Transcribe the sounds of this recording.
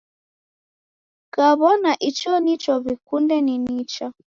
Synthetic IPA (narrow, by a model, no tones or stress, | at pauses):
kaβɔnaʔit͡ʃɔnit͡ʃɔβikundɛninit͡ʃa